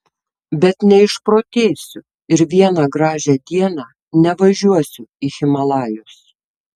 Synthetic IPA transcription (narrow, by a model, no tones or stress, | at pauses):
bʲɛt̪nʲɛɪʃpɾoːt̪ʲeːsʲʊ | ɪɾʋʲiɛnɑɡɾɑːʒʲæd̪ʲiɛnɑː | nʲɛʋɐʒʲuɔsʲʊixʲɪmɐlˠɑːjʊs